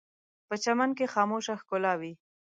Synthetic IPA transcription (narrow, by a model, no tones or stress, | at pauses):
pət͡ʃamankexɑmoʃaxkʊlɑwi